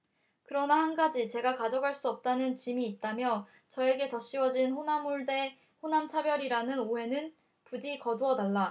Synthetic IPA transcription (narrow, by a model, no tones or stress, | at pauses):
kɯɾʌnahanɡad͡ʑit͡ɕe̞ɡakad͡ʑʌɡɦaɭs͈uʌp̚t͈anɯnt͡ɕimiːt̚t͈amjʌ | t͡ɕʌe̞ɡe̞tʌɕ͈iwʌd͡ʑinɸonamuɭde̞ | ɸonamt͡ɕʰabjʌɾiɾanɯnoɦe̞nɯn | pud͡ʑikʌduʌdaɭːa